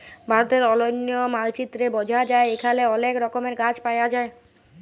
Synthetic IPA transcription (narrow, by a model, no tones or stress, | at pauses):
bʱaɾot̪eɾɔlojnːijomalt͡ɕit̪ːɾebɔd͡ʑʱad͡ʑaeekʰaleɔnekɾɔkomeɾɡat͡ɕpajad͡ʑae